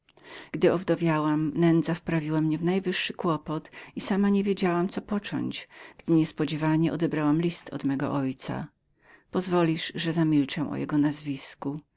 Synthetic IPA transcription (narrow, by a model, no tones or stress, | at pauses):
ɡ̥d̪ɘɔvd̪ɔvʲjawamnɛnd̪zafpɾavʲiwamɲɛvnajvɘʂːɘkwɔpɔt̪isamaɲevʲjed͡ʑawamt̪sɔpɔt͡ʂɔ̰ɲt͡ɕɡ̥d̪ɘɲɛspɔd͡ʑɛvaɲɛʔɔ̰d̪ɛbɾawamlʲist̪ʰɔ̰d̪mɛɡɔ̰ʔɔjt̪sa̰ | pɔzvɔlʲiʂʐɛzamʲilt͡ʂɛw̃ʔɔ̰jɛ̰ɡɔnazvʲisku